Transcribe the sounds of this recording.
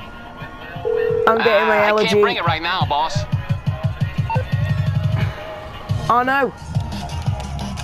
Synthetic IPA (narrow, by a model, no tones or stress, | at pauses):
ãɪ̃mɡɛʔɪ̃ŋmaɪɛlˠəd͡ʒiŋɹaɪʔnaʊbɔs | aːnoʊ